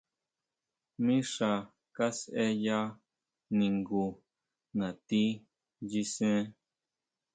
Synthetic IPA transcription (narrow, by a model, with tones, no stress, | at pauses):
mĩ˦ʂa˧ | ka˦sʔe˦ja˦ | nĩ˨ŋɡu˧ | nã˨t̪i˦ | ji˧sẽ˦